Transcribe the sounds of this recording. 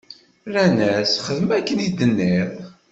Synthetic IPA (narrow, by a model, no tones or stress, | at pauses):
ɾænæsχəðəmækːənid̪ənːeɪðˤ